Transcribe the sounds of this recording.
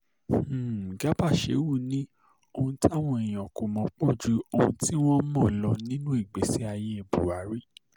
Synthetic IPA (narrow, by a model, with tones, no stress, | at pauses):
ɡa˨˦ba˦˨ʃḛ˨˦wu˦˨nĩ˦ | o˧hũ˧ti˦a˦˨w̃ɔ̃˧e˨j̃ɔ˨ko˨mɔ̃˨˧˦k͡pɔ̃˦˨d͡ʒu˨˦o˧ũ˧ti˦wɔ˦mɔ̃˦˨lɔ˧nĩ˦nũ˦i˦˨ɡ͡be˨si˦a˧je˧e˧˨bṵ˨a˨˦ɾi˦